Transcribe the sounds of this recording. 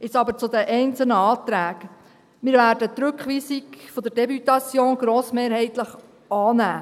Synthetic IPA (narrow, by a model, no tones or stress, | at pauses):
ɪt͡sɑbəɾt͡sʊd̪ɛʔɛɪnt͡səl̩nəɑːt̪ɾæːk | mɪːɾvæːɾdət̪ɾʉkχʋiːsikfod̪əɾd̥ɛbyt̪ɑt͡sjoːnɡ̥ɾoːsmeːɾhɛɪt̪ləχ | ɑːnæː